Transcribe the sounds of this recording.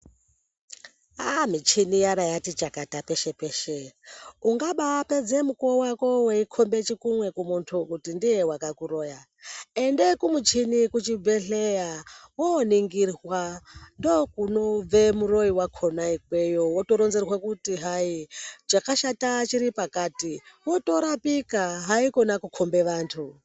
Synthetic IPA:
amit͡ʃinijaɾajatit͡ʃakatapeʃe̞peʃeuŋɡaɓaaped͡zemukowakoweikʰombet͡ʃikumwe̞kumuntʰukutindijewakakuɾoːja | endekumut͡ʃʰinikut͡ʃibeɬejawoniŋɡirwando̞kunob͡vemuro̞iwakʰonaik̚we̞jowoto̞ɾonzerwakutiɦaid͡ʒakaʃatat͡ʃiɾipakaːtiwo̞to̞ɾapikaɦaiko̞nakukʰo̞mbe̞ʋaːntʰu

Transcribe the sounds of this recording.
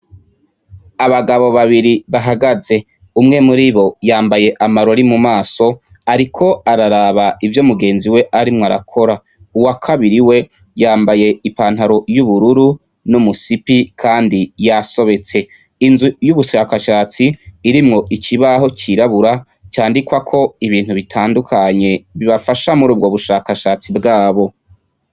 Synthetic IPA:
aβaɡaβo̞βaβiɾiβaɦaɡaze̞ | umŋe̞muɾiβo̞jaːmbaje̞ʔamaɾo̞ɾimumaːso̞ | aɾikʰo̞aɾaɾaːβaivjo̞muɡe̞ːnziwe̞ʔaɾimŋaɾa̰kʰo̞ɾa | uwakʰaβiɾiwe̞ | jaːmbaje̞ipaːnhaɾo̞juβuɾuɾu | numusipikʰaːndijaso̞βe̞t͡se̞ː | nzujuβuʃaːkaʃaːt͡siːɾimŋo̞ʔikʰiβaɦo̞t͡ʃkiɾaβuɾa | t͡ʃaːndikwakʰo̞iβiːn̥huβitʰaːndukʰaɲe̞βiβafaʃamuɾuːb̚ɡo̞βuʃakaʃat͡sibɡaːβo̞

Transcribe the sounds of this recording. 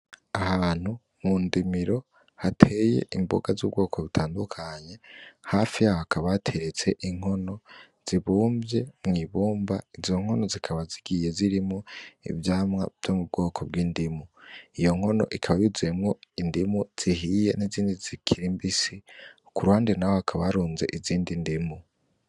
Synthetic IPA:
ahaːn̥hu | mundimiɾo̞ | hatʰeje̞̰ʔimbo̞̰ɡazuːbɡo̞ːkʰo̞βitʰaːndukʰaɲe̞haːfiahakʰaβaatʰe̞ɾet͡se̞ʔiŋ̥ho̞no̞ | z̥iβuːmbje̞mŋiːβuːmbaizo̞ŋ̥ho̞no̞zikʰaβaziɡ̥ije̞ziɾimŋoḭvjaːmŋwa̰v̥j̥omubɡo̞ːkʰo̞b̚ɡiːndimuijo̞ŋ̥ho̞no̞̰ʔikʰaβajuziemŋoindimuz̥iɦije̞niziːndizikʰiɾimbisi | kuɾuhaːndenawohakʰaβaɾuːnze̞ʔiziːndindimu

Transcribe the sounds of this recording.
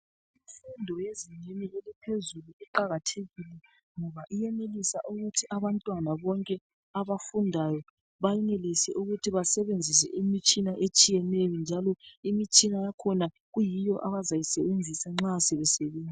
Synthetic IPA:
iɱfundʱɔjeziɲenielipʰezuluiǃaɣatʰeɣilɛ | ŋɔβaʔijɛnelisaʔuɣutʰiʔaβantʼwanaβɔŋkʼɛ | aβafundʱajɔ | βajɛnelisɛ̰ʔuɣutʰiβasɛβend͡zʱisɛ̰ʔimit͡ʃʼinaʔet͡ʃʼijɛnejɔnd͡ʒʱalɔimit͡ʃʼinajakʰɔna | ɣujijɔʔaβazajisɛβend͡zʱisaŋ͡ǁasɛβɛsɛβeːnd͡zʱi

